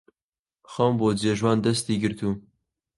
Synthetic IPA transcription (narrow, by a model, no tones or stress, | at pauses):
xɐmboːd͡ʒeːʒwɑːnd̪ɐst̪iːɡɨɾt̪uː